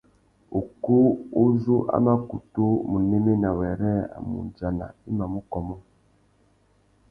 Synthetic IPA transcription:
o˨ko˦o˦zu˦ʔa̰˦ma˦ku˨to˦mu˨ne˦me˦na˨wɛ˨ɾɛ˦a̰˨mṵ˨nd͡ʒa˨na̰˨i˦ma˨mu˦kɔ˨mɔ˦

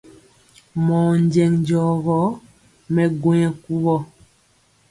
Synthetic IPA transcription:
mɔː˨ɲd͡ʒɛ˨ŋɲd͡ʒɔ˨ɣɔ˨˦ | mɛ˨ɡwe˦ɛ˨ku˦ɣɔ˦

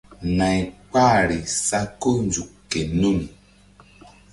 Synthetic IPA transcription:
na˨jk͡pa˦˨ɾi˨sa˦ko˦n˦d͡ʒu˨kːe˨no˦˨m˨

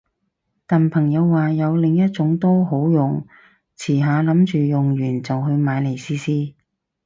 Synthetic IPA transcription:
t̪aː˨˩npʰɐ˨˩ŋjɐ˨˧wːaː˨jɐ˨˧wlɪ˨ŋjɐ˥t̚t͡ʃʊ˨˥ŋt̪oː˥ɦo˨˥wjʊ˨ŋ | t͡sʰiː˨˩ɦaː˨˧lɐ˨˥mt͡ʃyː˨jʊ˨ŋjyː˨˩nt͡sɐ˨wɦɵ˧ɥmaː˨˧jle˨˩jsiː˥siː˥

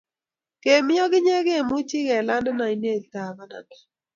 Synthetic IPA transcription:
ke˨mɪ˦ɔ˦ɡɪ˦ɲɛ˦ɡe˦˨mʊ˦t͡ʃɪ˦kɛ˨la˦ndna˨i˨˦n˦e˦˨lta˨ma˦na̰˨na˨

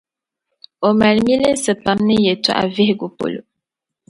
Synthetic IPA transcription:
o˨ma˨lmi˦lə˦n˦sə˨pa˨mnə˦je˨tṵ˦ʔa̰˨vi˦hɡu˨po̰˨lo̰˨

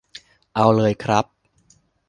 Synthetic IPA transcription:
ʔa˧wlɤː˧jkʰɾa˦˥p̚

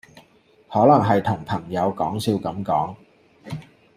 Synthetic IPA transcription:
hɔː˨˥lɐ˨˩ŋɦɐ˨jt̪ʰʊ˨˩ŋpʰɐ˨˩ŋjɐ˨˧wkɔː˨˥ŋsiː˧wkɐ˨˥mkɔː˨˥ŋ

